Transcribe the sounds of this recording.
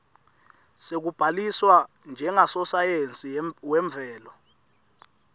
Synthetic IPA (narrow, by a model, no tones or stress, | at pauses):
sek̬ub̥ʱaliswa | nd͡ʒʱɛŋasɔsajent͡sʼiwɛɱb̪vʱɛːlɔ